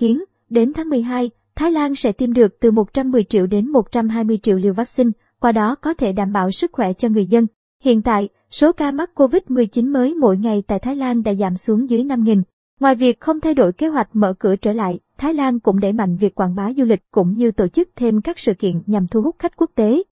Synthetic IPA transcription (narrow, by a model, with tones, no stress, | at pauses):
i˨˦ən | ɗe˨˦nt̪ʰaː˨˦ŋmɨ˨˩əjɦaː˧j | t̪ʰaː˨˦jlaː˧nsɛ̰˧˥t̪i˧mɗɨ˨˩ək̚t̪ɨ˨˩mo˨˩t̚t͡ɕa˧mːɨ˨˩əjt͡ɕḭ˧˨əwɗe˨˦nmo˨˩t̚t͡ɕa˧mɦaː˧jmɨ˧əjt͡ɕḭ˧əwli˧əwvaː˦˥sï˧ŋ̟ | kwaː˧ɗɔ˨˦kɔ˨˦t̪ʰe˧˩ɗaː˧˩mɓa̰ː˧˨wsɨ˦˥k̚xwɛ˧˩t͡ɕɔ˧ŋɨ˨˩əjzə˧n | hḭ˧˨ənt̪a̰ː˧˨j | so˨˦kaː˧ma˦˥t̚kːo˧vï˦˥t̚mɨ˨˩əjt͡ɕi˨˦nməː˨˦jmo̰˧˥jŋa˨˩jt̪a̰ː˧˨jt̪ʰːjlaː˧nɗa̰ː˧˥zaː˧˩msu˨˦əŋzɨ˨˦əjna˧mŋi˨˩n | ŋwaː˨˩jvi˨˩ək̚xə˧wŋ͡mt̪ʰa˧jɗo˧˩jke˨˦ɦwa˨˩jk̟̚mə̰ː˧˩kɨ̰˧˩ət͡ɕəː˧˩la̰ː˧˨jt̪ʰaː˨˦jlaː˧nkʊ̰˧˥ŋ͡mɗe˧˩ma̰˧˨jŋ̟vi˨˩əkːwaː˧˩nɓaː˨˦wzu˧lï˨˩k̟̚kʊ̰˧˥ŋ͡mɲɨ˧t̪o˧˩t͡ɕɨ˦˥k̚t̪ʰe˧mkaː˦˥k̚sɨ̰˧˨kḭ˧˨ənɲa˨˩mt̪ʰu˧hʊ˦˥k͡p̚xa˦˥jk̟̚ku˦˥ək̚t̪e˨˦